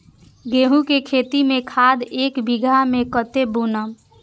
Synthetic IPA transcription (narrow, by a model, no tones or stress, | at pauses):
ɡeɦũkekʰet̪imẽkʰad̪ekbiɡʱamekət̪ebunə